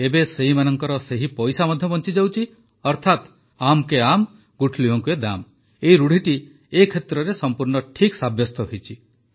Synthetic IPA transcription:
ebeseɦimanɔŋkɔɾɔseɦipɔjsamɔd̪ʱjɔbɔnt͡ʃid͡ʒawt͡ʃʰi | ɔɾt̪ʰat̪ | amkeam | ɡuʈʰliɦɔŋkued̪am | eiɾuɽ̤ʱiʈi | ekʰet̪ɾɔɾesɔmpuɾɳɔʈʰiksabʱjɔst̪ʰɔɦejt͡ʃʰi

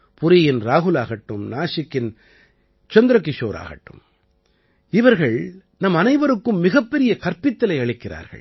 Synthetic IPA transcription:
pʊɾɪjɪnɾaːɣɯlaːɣɐʈːɯmnaːʂɪkːɪn | t͡ʃɔnd̪ɾɐkːɪʂo̰ːɾa̰ːɣɐ̰ʈːɯ̰m | ɪʋɐɾɣɐɭ | nɐmɐnɐɪʋɐɾɯkːɯmːɪɣɐpːɛɾɪjɐkɐɾpɪt̪ːɐlɐɪɐɭɪkːɪra̰ːɾɣɐ̰ɭ

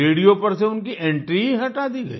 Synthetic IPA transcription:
eːɽijopɐɾseʊnkiʔɛ̃ɳʈɾiɦɐʈaːd̪iɡɐ̰ḭ

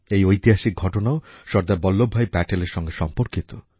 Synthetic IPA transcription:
ejojt̪iɦaʃik̚ɡʱɔʈonaoʃɔɾd̪abɔlːobʱajbɛʈeleɾʃɔŋɡeʃɔmpoɾkit̪o

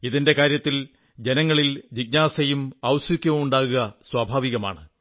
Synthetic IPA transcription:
iðinde̞kaːɾjɐt̪ːil | d͡ʑe̞nɐŋːɐɭild͡ʑiɡ̚naːsɐjumɐwsikʲːumɐmuɳɖaːɣuɣɐswaːbʱaːʋiɣɐma̰ːɳɨ

